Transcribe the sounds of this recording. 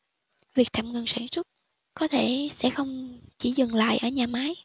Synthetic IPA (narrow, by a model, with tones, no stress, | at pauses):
vi˨˩ək̚t̪ʰaː˧˨mŋə˨˩ŋswaː˧˩nswə˦˥t̚ | kɔ˨˦t̪ʰe˧˩sɛ̰˧˥xə˧wŋ͡mt͡ɕi˧˩zɨ˨˩ŋla̰ː˧˨jʔəː˧˩ɲaː˨˩maː˨˦j